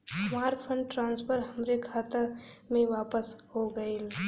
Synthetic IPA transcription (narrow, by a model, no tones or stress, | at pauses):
smaːɾpʰəɳɖ̚ʈɾãːnspʰəɾɦəmɾekʰaːt̪əmẽʋaːpəsɦoɡəil